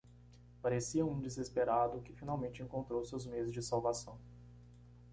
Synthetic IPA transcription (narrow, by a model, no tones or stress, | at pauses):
paɾesiɐũd͡ʒɪzɪspeɾad̪ʊkɪfinawmẽnt͡ʃɪẽŋkõnt̪ɾowseʊzmezɪzd͡ʒɪsawvasɐ̃w̃